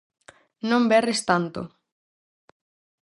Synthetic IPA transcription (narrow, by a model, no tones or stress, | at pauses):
nõmbɛrɪst̪ant̪o̰